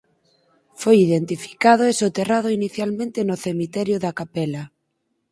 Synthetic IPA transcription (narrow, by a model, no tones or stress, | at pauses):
fojiðent̪ifi̥kað̞oesot̪eraðoiniθjalmẽnt̪enoθemit̪ɛɾjoðakapɛla